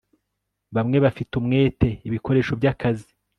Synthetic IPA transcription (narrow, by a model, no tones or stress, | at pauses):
βamŋe̞βafitumŋe̞ːte̞iβiko̞ɾe̞ːʃo̞bɟakazi